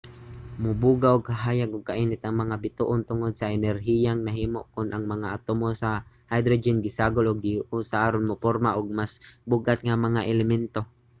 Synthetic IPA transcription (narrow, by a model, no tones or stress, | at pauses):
mʊbuːɡaʔʊɡ̚kaɦaːjaɡʊɡ̚kaʔinɪt̪aŋmɐŋabɪt̪uʔʊnt̪ʊŋod̪̚saʔɛnɛɾɦijaŋnaɦiːmoʔkʊnʔaŋmɐŋaʔat̪ʊmosa | hajd̪ɾod͡ʒɪnɡɪsaːɡolʊɡ̚ɪʔusaʔaːɾonmʊpoɾmaʔʊɡ̚masbʊɡat̪̚ŋamɐŋaʔɛlɛmɛnt̪o